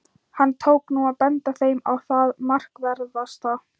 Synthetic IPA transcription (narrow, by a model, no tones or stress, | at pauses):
hanːt̪ʰoːwknuaðpɛnt̪aθejmawθaðmar̥kvɛɾðvast̪a